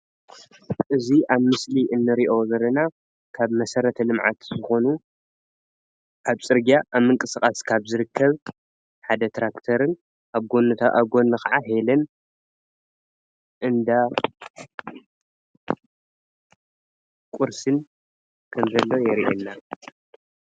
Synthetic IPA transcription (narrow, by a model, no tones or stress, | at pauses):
ʔɨziʔaβmɨsliʔɨnːɨɾiʔo̞zɐlɐna | kʰaβmɐsɐɾɐt̪ʰɐlɨmʕa̰t̪zɨxo̞nu | kʰaβt͡sʼɨɾɡiaʔaβmːɨŋkʼɨsɨkʼaskʰaβzɨɾɨkʰːɐβ | ħad̪ɐt̪ʰɾakt̪ʰɐɾɨn | ʔaβɡo̞nːɨt̪ʰaaβɡo̞nːɨxaʕaɦelɐn | ʔɨnd̪a | kʼuɾsɨn | kʰɨmzɐlːo̞jɛɾiʔenːa